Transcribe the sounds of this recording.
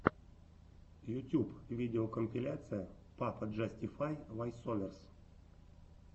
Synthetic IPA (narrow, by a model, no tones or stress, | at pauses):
jʊtʲupvʲidʲɪokəmʲpʲɪlʲat̪sɨjəpapədʐɛsʲtʲɪfajvajsolʲɪrs